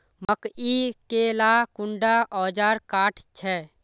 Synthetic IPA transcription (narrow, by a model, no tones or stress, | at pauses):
məkikelakuɳɖaʔɔːd͡ʒaːɾkaːʈʰt͡ʃʰɛ